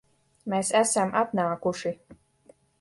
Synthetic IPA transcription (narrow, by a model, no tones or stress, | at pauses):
meːsæsamʔat̪naːkuʃi